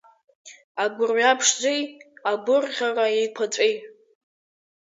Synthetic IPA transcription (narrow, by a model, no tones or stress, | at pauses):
aɡʷʊrɥapʰʂd͡zʷejaɡʷʊrʁʲaraejkʷʰat͡sʷʼejtʼ